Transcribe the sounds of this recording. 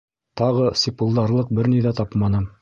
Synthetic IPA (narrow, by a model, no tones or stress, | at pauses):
t̪ɑʁɤsʲipŭlˠd̪ɑɾlˠɤq̚bɘɾniðæt̪ɑpmɑnɤ